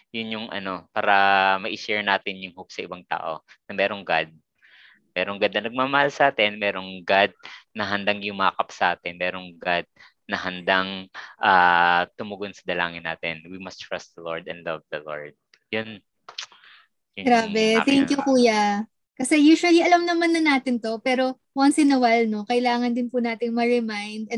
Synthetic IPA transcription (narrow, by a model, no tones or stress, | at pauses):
jʊnjʊŋʔɐ̰no̞paːɾɐmɐʔɪʃɛɹnaːt̪ɪnjʊŋhok̚sɐʔɪbaŋt̪a̰ːʔo̞̰nɐmɛːɾo̞ŋɡad̪̚ | mɛːɾoŋɡad̪nɐnɐɡ̚maːmɐhalsɐʔaːt̪ɛnmɛːɾo̞ŋɡad̪̚nɐɦɐnd̪aŋjʊmaːkɐpsɐʔaːt̪ɛnmɛːɾoŋɡad̪̚ | nɐɦɐnd̪aŋʔaːt̪ʊmʊɡonsɐd̪ɐla̰ːŋɪnːa̰ːt̪ɛnwimɐst̪ɹast̪̚d̪ɐloɹd̪ɛ̰̃nd̪lɐvd̪ɐlo̰ɹd̪̚ | jʊn | jɡɾaːbɛt̪ɛŋkjʊkuːjɐ | kɐsɛjuːʃʊɐliʔɐlɐmnɐmanːɐnaːt̪ɪnt̪o̞pɛːɾo̞ | wɐnsɪnɐwalno̞kɐʔɪlaːŋɐnd̪ɪnpʊnaːt̪ɪŋmɐɹɪmajnd̪ɐ